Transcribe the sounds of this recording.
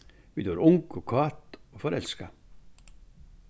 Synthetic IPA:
ʋid̪oɾʊŋkɔkʰɑːt̪ɔfɔɾɛlska

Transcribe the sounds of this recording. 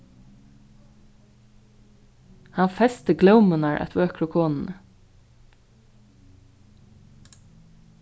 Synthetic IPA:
hɑnfɛst̪əɡlœʊmʉnɑɹʔɛ̰t̪ʋøːkʰɹʊkʰoːnn̩ə

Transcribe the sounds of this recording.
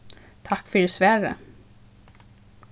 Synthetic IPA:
t̪ʰakːfœɖɛsvæɾə̰

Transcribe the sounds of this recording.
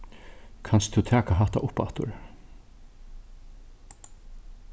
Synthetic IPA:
kʰanst̪ʰʉːt̪ʰæːkaɦat̪a̰ʔʊpːa̰t̪ʊ̰ɾ

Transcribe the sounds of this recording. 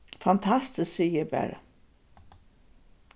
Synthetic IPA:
fant̪ʰast̪ɪssijəbæ̰ːɾa̰

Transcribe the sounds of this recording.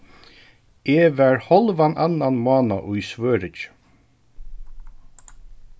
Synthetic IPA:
eːvæɹhɔlʋanʔanːanmɑːnaʔʊjsʋøːɾɪt͡ʃ

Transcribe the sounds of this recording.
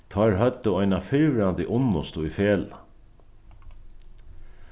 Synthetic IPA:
t̪ʰɔːɾɦœt̪ːəɔjnafɪɾʋɪɾant̪ɪʔʊnːʊst̪ʊifɛːl

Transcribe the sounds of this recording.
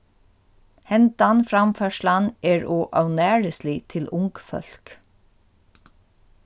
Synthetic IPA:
hɛnt̪anfɾamfœːʂlanɛːɹɔːʔa̰wnæːɹɪsliːt̪ʰɪlʊŋkfœ̰l̥k

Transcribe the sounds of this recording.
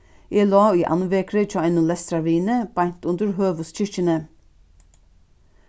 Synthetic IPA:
ʔeːlɑːiːʔɑ̰nʋeːkɾət͡ʃɑːæɪnʊlɛst̪ɾɑʋiːnəb̥ɑɲt̪ʉnd̪əɹɦøːʋʉst͡ʃɪt͡ʃənə

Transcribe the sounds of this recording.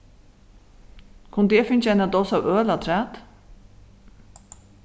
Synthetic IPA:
kʰʊnd̪ɛːfɪnt͡ʃɛjnad̪ɔːsawøːlat̪ʰɾæːt̪

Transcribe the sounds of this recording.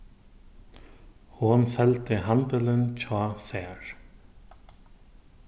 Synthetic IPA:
hʊnsɛlt̪ɪɦant̪ɪlɪnt͡ʃʰaːsɛːɹ

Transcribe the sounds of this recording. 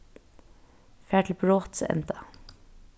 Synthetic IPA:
fæːʈl̩bɹoːt̪sɛ̰nt̪ɑ̥

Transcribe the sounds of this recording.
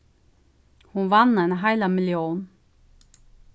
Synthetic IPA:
hunʋanːenɦaɪlamɪljoːn

